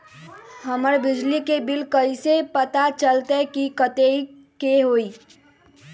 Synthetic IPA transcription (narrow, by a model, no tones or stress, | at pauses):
ɦəməɾbɪd͡ʒlikebɪlkəisepət̪at͡ʃəlt̪ekikət̪ei | keɦoːiː